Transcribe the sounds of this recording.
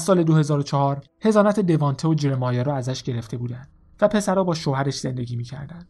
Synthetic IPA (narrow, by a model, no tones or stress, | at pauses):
æzsɒːle̞d̪ohe̞zɒːɾot͡ʃʰɒhɒːɾ | he̞zɒːnæt̪ʰe̞d̪e̞vɒːnt̪ʰeod͡ʒeɾemɒːjɒːɾɒːæzæʃɟe̞ɾe̞ft̪e̞buːd̪ænd̪̥ | væpʰe̞sæɾɒːbɒːʃoɦæɾeʃz̥e̞nd̪eɟʲiːmiːcʰæ̰ɾd̪ænd̪̥